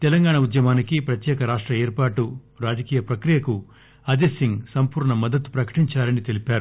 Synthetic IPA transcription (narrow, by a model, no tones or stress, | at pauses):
t̪ɛlɐŋɡaːɳɐud̪jɐmaːnikipɾɐt̪jɛːkɐɾaːʂʈɾɐeːɾpaːʈu | ɾaːd͡ʒɐkiːjɐpɾɐkɾijɐku | ɐd͡ʒ̪esiŋɡsɐmpuːɾɳɐmɐd̪ɐt̪u̥pɾɐkɐ̥ʈiɲt͡ʃaːɾɐnit̪elipaːɾu